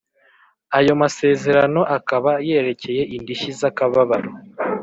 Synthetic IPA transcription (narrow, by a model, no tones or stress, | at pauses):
ajo̞mase̞ːze̞ɾano̞ʔakaβaje̞ːɾe̞ce̞je̞ʔindiʃizakaβaβaɾo